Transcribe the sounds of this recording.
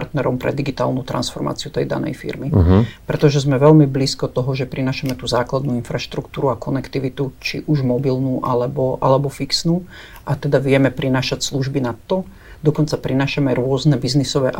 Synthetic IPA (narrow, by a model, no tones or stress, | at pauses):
ɾt̪nɛɾɔmpɾɛ̰d̪iɡit̪a̰ːlˠnuːt̪ɾʔa̰nsfɔ̰ɾma̰ːt͡siut̪ɛjd̪a̰nɛ̰jfḭɾmipɾɛt̪ɔʒɛzmɛʋɛlmibliːskɔt̪ɔɦɔʒɛpɾinaːʃamɛt̪uːzaːklad̪nuːinfɾaʃt̪ɾukt̪uːɾuakɔnɛkt̪iʋit̪ut͡ʃḭʔuʒmɔbilnuːʔalɛbɔʔalɛbɔfiksnuː | ʔat̪ɛd̪aʋɪɛmɛpɾinaːʃacsluʒbinat̪ːɔ | d̪ɔkɔnt͡sapɾinaːʃamɛɾʊɔznɛbiznisɔʋɛʔ